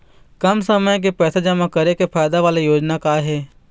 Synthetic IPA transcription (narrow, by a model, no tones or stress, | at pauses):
kɐmsəməjk̬epɛːsed͡ʒəmakɐɾekepʰaːjd̪aʋaːlejoːd͡ʒnakaːɦɛː